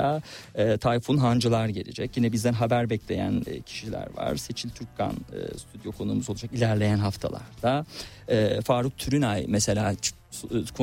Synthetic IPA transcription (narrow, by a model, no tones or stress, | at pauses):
aːt̪ʰajfunɦand͡ʒɯlˠaɾɟe̞̰lʲḭd͡ʒɛcjinɛbizd̪ænɦabæɾbɛclʲe̞̰jæ̰nːcʰi̥ʃilʲæ̰ɾva̰ɾ̥se̞t͡ʃʰilʲt̪ʰyɾkʰa̰nɯ̰syt̪ʰyd̪jo̞kʰo̞nuːmuzoud͡ʒakilʲæɾlʲe̞jænɦaft̪ʰa̰lˠa̰ɾd̪̥a | ɛːfaːɾuk̚t̪ʰyɾynajmɛse̞lʲḁː | kʰo